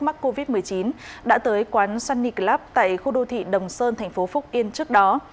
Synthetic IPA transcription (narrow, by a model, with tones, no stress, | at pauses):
ma˦˥k̚kːo˧vi˦˥t̚mɨ˨˩əjt͡ɕi˨˦nɗa̰ː˧˥t̪əː˨˦jkwaː˨˦nsaː˧nːi˨˩k̚laː˦˥p̚t̪a̰ː˧˨jxu˧ɗo˧t̪ʰḭ˧˨ɗə˨˩wŋ͡msəː˧nt̪ʰɛ˨˩jŋ̟fo˨˦fʊ˦˥k͡p̚ʔi˧ənt͡ɕɨ˦˥ək̚ɗɔ˨˦